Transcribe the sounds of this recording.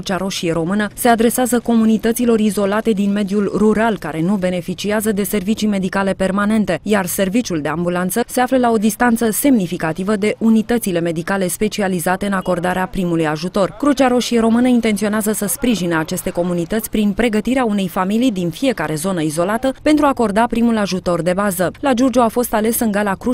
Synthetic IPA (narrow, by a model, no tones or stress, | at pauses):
t͡ʃaɾo̞ʃijeɾo̞mɨnəse̞ad̪ɾe̞seazəko̞munit̪ət̪silo̞ɾizo̞lat̪e̞d̪inme̞d̪julruɾalkaɾe̞nube̞ne̞fit͡ʃiazəd̪e̞se̞rvit͡ʃime̞d̪ikale̞pe̞rmane̞nt̪e̞jarse̞rvit͡ʃʲuld̪e̞ambulant̪səse̞afləlao̞d̪ist̪ant̪səse̞mnifikat̪ivəd̪e̞ʔunit̪ət̪sile̞me̞d̪ikale̞spe̞t͡ʃializat̪e̞ɨnako̞rd̪aɾeapɾimulujaʒut̪o̞rkɾut͡ʃaɾo̞ʃieɾo̞mɨnəint̪e̞nt̪sio̞neazəsəspɾiʒineat͡ʃe̞st̪e̞ko̞munit̪ət̪sʲpɾinpɾe̞ɡət̪iɾeaune̞jfamilijd̪infije̞kaɾe̞zo̞nəizo̞lat̪əpent̪ɾuako̞rd̪apɾimulaʒut̪o̞rd̪e̞bazəlad͡ʒord͡ʒoafo̞st̪ale̞sɨnɡalakɾu